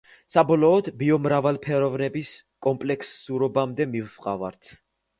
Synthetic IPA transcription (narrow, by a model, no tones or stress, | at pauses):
sabɔlɔːd̪biɔmɾavalˠpʰɛɾɔvnɛbiskʼɔmpʼlɛksuɾɔbamd̪ɛmivfqʼavaɾt̪ʰ